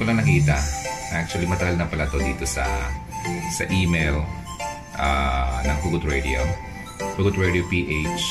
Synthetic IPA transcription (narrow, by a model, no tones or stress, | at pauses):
kolɐŋnɐkiːt̪ɐnɐʔak̚t͡ʃʊɐlimɐt̪ɐɡɐlnɐpɐlɐt̪od̪iːt̪o̞sɐ̰ | sɐ̰ʔiːmejl | ʔanɐŋɦuɡʊt̪ɹɛd̪ɪo̰ | huɡʊt̪̚ɹɛd̪opiːʔet͡ʃ